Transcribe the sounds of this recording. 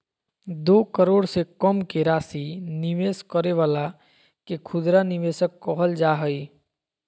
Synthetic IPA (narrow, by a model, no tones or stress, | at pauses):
d̪oːkəɾoːɽsekɔmkeɾaːsinɪʋeːskəɾeʋaːla | kekʰʊd̪ɾanɪʋeːsəkːɔɦəld͡ʒaːɦəi